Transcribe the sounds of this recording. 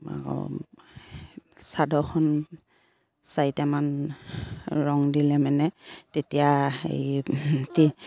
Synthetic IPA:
a̰ɔ̰ | sadɔxʰɔn | sajtɛman | ɹɔŋdilɛmɛnɛtetijaḛjti

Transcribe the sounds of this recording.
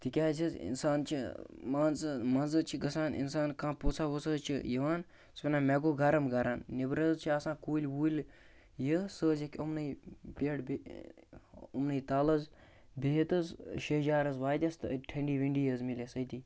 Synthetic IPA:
t̪ikʲaːzizḭnsaːnt͡ʃʰimaːnzmɐnzɨt͡ʃʰiɡɐsaːnḭnsaːnkãːpot͡sʰaːʋosɐt͡ʃʰḭjiʋaːn | spʲinãːmɛɡoːɡɐɾɐmɡɐɾannibɾɐzt͡ʃʰiaːsãːkuːlʲwuːlʲ | jəsəːzekʲɐmnɨpeɽb | ɐmnɨit̪aːlɐz | beɦt̪əzʃed͡ʒaːɾɐzʋaːd̪ʲɐst̪ɨʈʰɐɳɖiːʋiɳɖiːjɐzmilesɐjt̪iː

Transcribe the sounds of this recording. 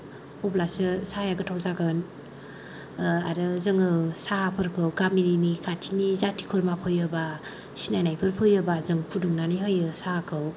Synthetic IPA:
ɔblasɯsajaɡɯtʰawzaɡɯn | aɾɯzɯŋɯsahapʰɯɾkʰɯwɡamininikʰatʰinizatʰi̥kʰɯɾmapʰɯjɯba | sinajnajpʰɯɾpʰɯjɯbazɯŋpʰuduŋnaniɦɯjɯsahakʰɯw

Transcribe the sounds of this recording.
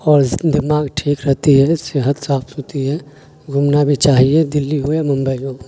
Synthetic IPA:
ɔːɾd̪ɪmaːɡʈʰiːkɾəɦt̪iɦɛsɪɦət̪saːp̪ɦot̪iɦɛ | ɡʱumnabʱit͡ʃaːɦied̪ɪlːiɦuemə̃mbəjo

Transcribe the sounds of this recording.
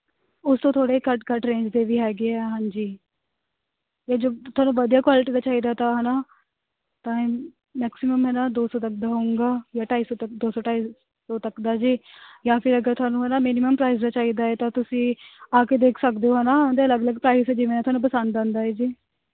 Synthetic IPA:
ʊst̪õːt̪ʰoːɽeːkəʈkəʈɾẽːɲd͡ʒd̪eːʋiːɦɛːɡeːɛːɦãːɲd͡ʒiː | jaːd͡ʒoːt̪ʰʊwaːnũːʋəd̪ijaːkwaːlɪʈiːd̪aːt͡ʃaːiːd̪aːt̪ãːɦɛnaː | t̪ãːẽ | mɛːksɪməmɦɛnaːd̪oːsɔːt̪ək̚d̪aːɦoũːŋɡaːjaːʈaːiːsot̪əd̪oːsɔːʈaːiː | soːt̪əkd̪aːd͡ʒiːjãːpʰɪɾəɡəɾt̪ʰʊwaːnũːɦɛːnaːmiːnɪməmpɾaːɪs̬d̪aːt͡ʃaːiːd̪aːɛːt̪ãːt̪ʊsĩːaːkeːd̪eːkʰsəkd̪eoːɦɛnãːnd̪eːləɡələɡpɾaːisɛːd͡ʒɪmẽːɛːt̪ʊwaːnũːpəsənd̪ãːnd̪aːɛːd͡ʒiː

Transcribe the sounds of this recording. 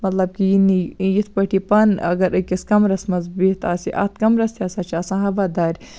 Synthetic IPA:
mɐt̪lɐb̚kijinijit̪ʰpɐʈʰipɐnɐ̰ɡɐɾɨkiskɐmɾɐsmɐzbiːt̪ʰaːsiʔa̰t̪̚ʰkɐmɾɐst̪iaːsaːt͡ʃʰaːsãːɦɐʋaːd̪aːɾʲ

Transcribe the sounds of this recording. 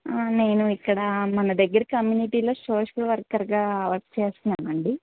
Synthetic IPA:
aneːnuikːɐɽɐmɐnɐd̪ɐɡːɐɾɐkɐmjuːniʈiːloːso̞ːʂɐlʋɐrɡɐɾɡaːʋɐɾst͡ʃeːsinaːmɐɳɖi

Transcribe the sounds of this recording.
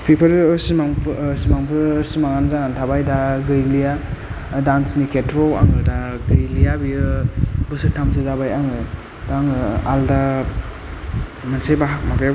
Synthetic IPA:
pʰipʰɯɾsimaŋsimaŋpʰɯsimaŋanzanantʰabajdaɡɯjlija | dansnikʰetɾoa̰ŋɯdaɡɯjlijabiɯbɯsɯtʰːams̬ɯzabajaŋɯ | daŋɯalda | mansajbamape

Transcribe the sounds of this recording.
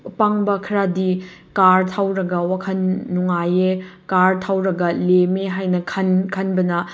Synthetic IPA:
paŋbɐkʰɐɾadi | kaɾtʰawɾɐɡɐwakʰɐnːuŋajekaɾtʰawɾɐɡɐlemeɦajnɐkʰɐnkʰɐnbɐnɐ

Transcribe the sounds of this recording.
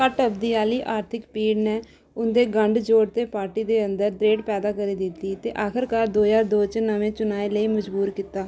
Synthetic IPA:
kəʈəbd̪iːaːliːʔaːɾt̪ʰɪkpiːɖneː | ʊnd̪eːɡəɳɖd͡ʒoːɽt̪eːpaːɾʈiːd̪eːənd̪əɾd̪ɾeːɖpɛːd̪aːkəɾiːd̪ɪt̪ːiːt̪eːʔaːkʰəɾkaːɾd̪oːjaːɾd̪oːt͡ʃnəmẽːt͡ʃʊnaːeːləiːməd͡ʒbuːɾkiːt̪aː

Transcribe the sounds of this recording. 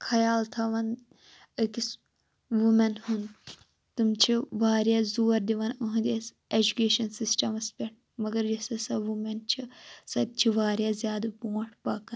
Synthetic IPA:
kʰɐjaːlt̪ʰɐʋɐn | ɨkis | ʋumɐnhun | t̪umt͡ʃʰiʋaːɾjaːzuːɐɾd̪iʋɐnuɦũd̪ʲes | ed͡ʒukeːʃɐnsisʈɐmɐspʲɐʈ̚ʰ | mɐɡɐɾd͡ʒɐsɐsɐʋumɐnt͡ʃʰisɐt̪̚t͡ʃʰiʋaːɾjazjaːd̪bõːʈʰpakɐn

